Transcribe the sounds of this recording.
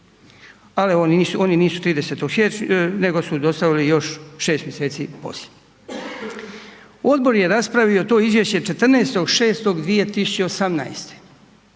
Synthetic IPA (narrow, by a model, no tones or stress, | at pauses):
alionisuo̞niniːsu̥t̪ɾiːd̪eset̪oɡhene̞ɡo̞sud̪o̞st̪aʋilijo̞ʃʃe̞ːst̪mjese̞ːt̪sipo̞̰slʲe̥ | o̞d̪bo̞ɾje̞ɾaspɾaʋio̞t̪o̞ːizʋjeʃt͡ɕe̞t͡ʃe̞t̪r̩neest̪o̞ɡʃeːst̪o̞ɡd̪ʋije̞t̪isut͡ɕe̞osamnaest̪e̥